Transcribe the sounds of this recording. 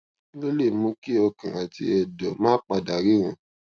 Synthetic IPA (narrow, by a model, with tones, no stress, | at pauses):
nĩ˦lo˦le˦˨mũ˨˦ki˦ɔ˧kã˨a˨ti˧ɛ˨dɔ˨mãː˦k͡pa˧˨da˨ɾi˦ɾũ˨˦